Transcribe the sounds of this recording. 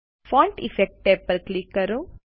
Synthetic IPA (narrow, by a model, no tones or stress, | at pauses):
fɔːɳʈḭfek̚ʈ̚peːpːɐɾklikːɐɾu